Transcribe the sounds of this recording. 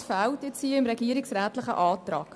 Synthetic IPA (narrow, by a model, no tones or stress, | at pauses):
fæltjɛt͡shiːəɪmɾɛɡiːɾɪksɾæːtlɪχə̰ʔɑːtrɑ̰ːk